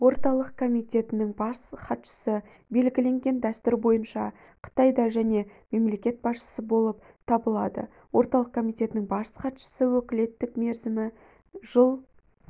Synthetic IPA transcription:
wo̞ɾt̪ɑlˠəq̚kʰo̞mijt̪ʲe̞t̪ɪnɪŋbɑsχɑt̪ʃə̥sə | be̞lɡʲɪle̞ŋɡʲe̞nd̪æst̪ʊɾbo̞jənʃɑ | qʰə̥t̪ɑjd̪ɑʒæne̞me̞mle̞kʲe̞t̪̚bɑsʃə̥səbo̞lˠəp̚ | t̪ʰɑbəlˠɑd̪ə̰ | wo̞ɾt̪ɑlˠəqkʰo̞mijt̪e̞t̪ɪnɪŋbɑsχɑt̪ʃə̥səwɵkʲɪle̞t̪ːɪkme̞ɾzɪmɪ | ʒ̥əlˠ

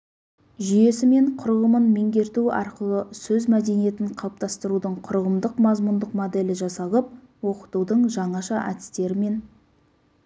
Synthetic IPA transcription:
ʒʏje̞sɪme̞ɴqʰʊɾʁəmənme̞ŋɡʲe̞ɾt̪uɑ̰ɾqəlˠəsɵzmæd̪e̞nije̞t̪ɪɴqʰɑlˠəp̚t̪ɑst̪əɾud̪əɴqʰʊɾʁəmd̪əqmɑzmʊnd̪əqmod̪e̞lɪʒɑsɑlˠəp̚ | wo̞qə̥t̪ud̪əɴʒɑɴɑʃɑʔæ̰t̪ɪ̥st̪e̞ɾɪme̞n

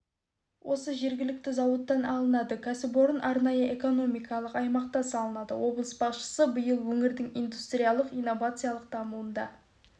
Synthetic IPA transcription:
wʔo̞səʒe̞ɾɡʲɪlɪk̚t̪ɪzɑwət̪ːɑnɑlˠənɑd̪əkʲʰæsɪboɾənʔɑɾnɑjəe̞ko̞no̞mijkɑlˠəqɑjmɑq̚t̪ɑsɑlˠənɑd̪ə̰wo̞blˠəsbɑsʃə̥səbəjəlˠwɵŋɪɾd̪ɪŋijnd̪ust̪ɾʲijalˠəqijnːo̞vat̪sɨjalˠəq̚d̪̥ɑmuənd̪ɑ̰

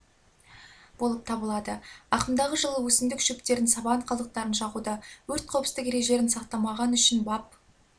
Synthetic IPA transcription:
b̥o̞lˠəp̚t̪ʰɑbəlˠɑd̪əɑqəmd̪ɑʁəʒəlˠəwɵsɪmd̪ɪkʒʏk̚t̪e̞ɾɪnsɑbɑɴqʰɑlˠd̪əq̚t̪ɑɾənʃɑʁud̪əwɵɾt̪̚qʰɑwpst̪ɪkeɾeʒe̞ɾɪnsɑqt̪ɑmɑʁɑnʏʃɪnbɑp̚

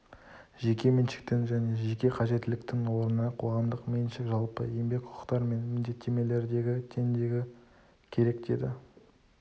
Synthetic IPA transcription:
ʒe̞kʲe̞mɪnʃɪ̥k̚t̪ɪnʒæne̞ʒe̞kʲe̞qʰɑʒe̞t̪ːɪlɪkt̪ɪnwo̞ɾənɑqʰo̞ʁɑmd̪əqme̞nʃɪkʒɑlˠpə̰je̞mbe̞kqʰʊ̥qʰə̥qt̪ɑɾme̞nmɪnd̪e̞t̪ʰːe̞me̞le̞ɾd̪e̞ɡʲɪt̪ʰe̞nd̪e̞ɡʲɪ | kʲʰe̞ɾe̞kd̪e̞̰d̪ɪ̰

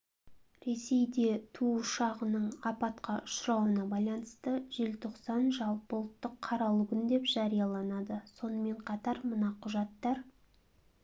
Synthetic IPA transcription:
ɾe̞se̞jd̪e̞t̪ʰuʊʃɑʁənəɴɑpɑt̪qɑʊ̥ʃɾɑwənɑbɑjlˠɑnəst̪əʒe̞lt̪ʰo̞qsɑnʒɑlˠpolˠət̪ːəqʰːɑɾɑlˠuɡənd̪e̞pʒ̥ɑɾijɑlˠɑnɑd̪əso̞nəme̞ɴqʰɑt̪ɑɾmənɑqʰʊʒɑt̪ːɑɾ

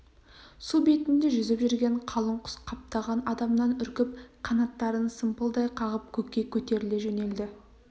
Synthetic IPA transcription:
sube̞t̪ɪnd̪ɪʒʏzɪpʒʏɾɡʲe̞ɴqʰɑlˠəɴqʰʊ̥sqʰɑp̚t̪ɑʁɑnɑd̪ɑmnɑnʏɾkʲɪp̚qʰɑnɑt̪ːɑɾənsəmpəlˠd̪ɑjqʰɑʁəp̚kʲʰɵkʲːe̞kʲʰɵt̪e̞ɾɪleʒene̞ld̪ɪ

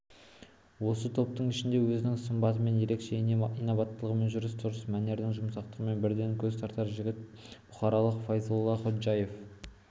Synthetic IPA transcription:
wo̞sət̪ʰo̞p̚t̪əɴɪʃɪnd̪e̞wɵzɪnɪŋsəmbɑt̪əme̞nje̞ɾekʃe̞iijnovɑt̪ːəlˠəʁəmenʒʊɾɪst̪ʰʊɾəsmæne̞ɾd̪ɪŋʒʊmsɑq̚t̪əʁəme̞nbɪɾd̪e̞ŋkʲʰɵzt̪ʰɑɾt̪ɑɾʒɪɡʲɪt̪̚ | b̥ʊχɑɾɑlˠəqfɑjzolˠːɑχot̪ʒɑje̞f

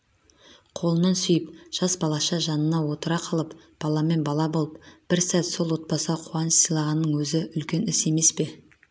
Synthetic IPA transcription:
qʰo̞lˠənɑnsʏjəpʒ̥ɑsbɑlˠɑʃɑʒɑnənɑwo̞t̪əɾɑqʰɑlˠəp | b̥ɑlˠɑme̞nbɑlˠɑbo̞lˠəpb̥ɪɾsæt̪so̞lˠwo̞t̪̚pɑsʁɑqʰʊwɑnəsəjlˠɑʁɑnːəɴwɵzɪʔʏlkʲe̞nɪse̞me̞spe̞

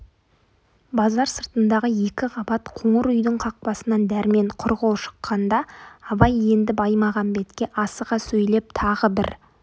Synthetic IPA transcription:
bɑzɑɾsəɾt̪ənd̪ɑʁəje̞kʲɪʁɑbɑt̪qʰoɴəɾʏjd̪ɪɴqʰɑq̚pɑsənɑnd̪æɾme̞ɴqʰʊɾʁolˠʃə̥qːɑnd̪ɑːbɑje̞nd̪ɪbɑjmɑʁɑnbe̞t̪kʲe̞ʔɑsəʁɑsɵjle̞p̚t̪ʰɑʁəbɪɾ

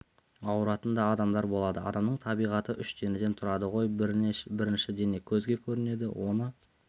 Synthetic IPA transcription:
ɑwɾɑt̪ənd̪ɑːd̪ɑmd̪ɑɾbo̞lˠɑd̪əɑ̰d̪ɑmnəɴt̪ʰɑbijʁɑt̪əʔʏʃt̪e̞nɪd̪e̞nt̪ʰʊɾɑd̪əʁo̞jbɪɾɪnʃɪd̪e̞ne̞kʲʰɵzɡʲe̞kʲʰɵɾɪne̞d̪ɪ̰wʔo̞nə

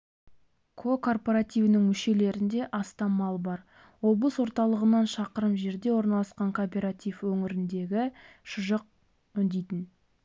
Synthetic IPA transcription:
kʰo̞kʰo̞rpoɾat̪ijvnɪŋmʏʃe̞le̞ɾɪnd̪e̞ʔɑst̪ɑmɑlˠbɑɾ | wo̞blˠəswo̞ɾt̪ɑlˠəʁənɑnʃɑqəɾəmʒe̞ɾd̪e̞wo̞ɾnɑlˠɑsqɑŋkʰopʲe̞ɾat̪ijfwɵŋɪɾɪnd̪e̞ɡʲɪʃʊʒəq̚ | ʏnd̪ejt̪ɪn

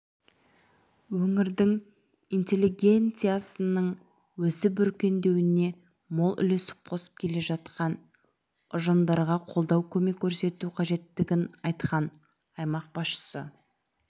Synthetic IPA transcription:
wɵŋɪɾd̪ɪŋ | ijnt̪ʲe̞lːiɡʲe̞nt̪sɨjasənəɴ | wɵsɪbʏɾkʲe̞nd̪e̞wɪne̞ | mo̞lˠʔʏ̰lesɪ̥p̚qʰo̞sə̥p̚kʲʰe̞le̞ʒɑt̪qɑn | ʊʒɑnd̪ɑɾʁɑqʰo̞lˠd̪ɑwkʲʰɵme̞kʲʰːɵɾse̞t̪uqʰɑʒe̞t̪ːɪɡʲɪnɑjt̪qʰɑn | ɑjmɑq̚b̥ɑsʃə̥sə

